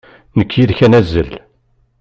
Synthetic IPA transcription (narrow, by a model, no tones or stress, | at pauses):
nəkːjiðçænæzːə̰l